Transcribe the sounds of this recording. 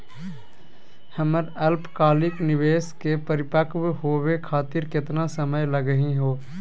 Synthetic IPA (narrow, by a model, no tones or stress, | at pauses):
həməɾəlpʰkaːlɪknɪʋeːskepəɾɪpəkbɦoːwekʰaːt̪ɪɾkɪt̪nasəməjləɡəɦiɦoː